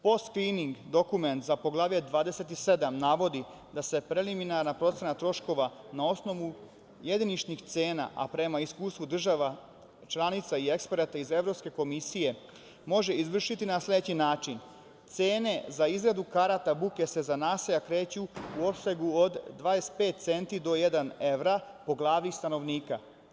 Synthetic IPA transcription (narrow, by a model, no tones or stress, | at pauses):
po̞st̪kliːniŋɡd̪o̞kume̞nt̪zapo̞ɡlˠaːʋjed̪ʋaːd̪e̞se̞t̪ise̞d̪amnaʋo̞d̪i | d̪ase̞pɾe̞liminaɾnapɾo̞t̪senat̪ɾo̞ʃko̞ʋa | nao̞sno̞ʋu | je̞d̪init͡ʃnixt̪se̞ːna̰ʔa̰pɾe̞maiskuːst̪ʋud̪r̩ʒaʋa | t͡ʃlˠanit̪saie̞kspeɾat̪aize̞vɾo̞pske̞ko̞misije̞ | mo̞ʒe̞izʋr̩ʃit̪inaslʲe̞d̪et͡ɕinaːt͡ʃin | t̪se̞ːne̞zaizɡɾad̪ukaɾat̪abuke̞se̞zanaːsejakɾe̞ːt͡ɕuuo̞pseɡuod̪ːʋajest̪pe̞ːt̪̚t̪se̞nt̪id̪o̞je̞d̪ane̞ʋɾapo̞ɡlˠaːʋnixst̪ano̞ʋniːka